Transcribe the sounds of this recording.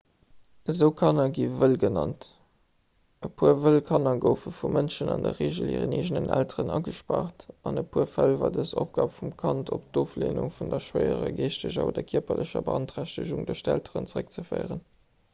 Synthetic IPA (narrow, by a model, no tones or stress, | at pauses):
əzəʊkʰɑnɐɡiːvəlɡənɑnt | əpʰuəvəlkʰɑnɑɡəʊfəfumʔənʃənɑndɐʁeːʒəlḭːʁəneːʒənənʔæltəʁənɑɡəʃpaːʁtɑnəpʰuəfælvaːdəsop̚ɡ̥ɑːpfumkʰɑntʰop̚d̥oːfleːnuŋfundɐʃwəɪəʁəɡeːʃtəʑɐoːdɐkʰiɐpɐlʔəɕɐbəɑntʁæɕtəʒuŋdəʃtæltʰəʀənt͡səʁək̚t͡səfəɪʁən